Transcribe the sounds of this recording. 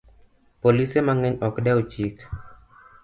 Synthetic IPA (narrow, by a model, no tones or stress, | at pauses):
polisemaŋɛɲɔkdɛɔt͡ʃik